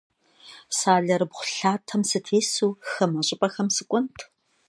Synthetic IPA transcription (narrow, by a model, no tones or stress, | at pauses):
saːɮɐɾɨbχʷʊ̥ɬaːtʰɐmsɨtʰeːsuːxɐmɐɕʼɪpʼɐxɐmsɨkʷʼʊntʰ